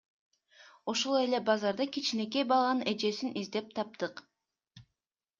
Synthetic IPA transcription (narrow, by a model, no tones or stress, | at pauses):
oʃolˠe̞le̞bɑzɑɾd̪ɑkit͡ʃine̞k̬e̞jbɑlˠɑne̞d͡ʒe̞sinʔizd̪e̞p̚t̪ʰɑp̚t̪ɯq